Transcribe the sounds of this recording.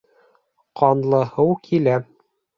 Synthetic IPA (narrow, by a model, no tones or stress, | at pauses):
qɑnlˠɤ̆hɤwkʰilæ